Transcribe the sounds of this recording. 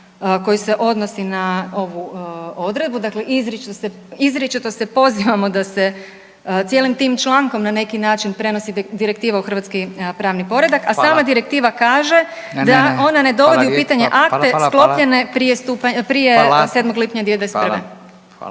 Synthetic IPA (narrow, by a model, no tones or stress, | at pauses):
ko̞juse̞ʔo̞d̪no̞sinao̞ʋuo̞d̪ɾe̞d̪̚bud̪akleʔizɾit͡ʃt̪ose | izɾit͡ʃit̪ose̞po̞ziʋamo̞d̪ase̞ | t̪sjeːlimt̪iːmt͡ʃlaːŋko̞mnane̞kinaːt͡ʃinpɾe̞no̞sid̪iɾek̚t̪iːʋauxɾr̩ʋat̪skipɾaːʋnipo̞ɾe̞d̪akasaːmad̪iɾe̞k̚t̪iːʋakaːʒe̞ | d̪ao̞nane̞d̪o̞ʋo̞d̪iupiːt̪aɲe̞ʔakt̪esklˠo̞pʎe̞ne̞pɾijest̪uːpapɾijeseːd̪mo̞ɡlipɲad̪jed̪espḛ